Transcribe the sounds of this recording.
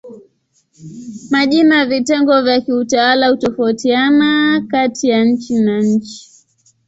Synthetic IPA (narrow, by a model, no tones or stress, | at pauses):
maʄinavitɛŋɡɔvjakiutawalahutɔfautianakatijaɲ̩t͡ʃinaɲ̩t͡ʃi̥